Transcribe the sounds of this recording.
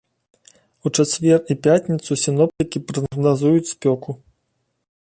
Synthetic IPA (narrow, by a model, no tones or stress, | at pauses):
ut͡ʂat͡sʲvʲɛripʲatʲnʲit̪susʲinɔp̚t̪ɨkʲipɾɐɐɣnazujut͡sʲsʲpʲɔku